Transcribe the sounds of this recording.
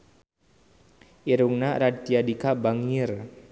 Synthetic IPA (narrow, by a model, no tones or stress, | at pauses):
ʔiɾuŋnaɾadt̪iadikabaŋir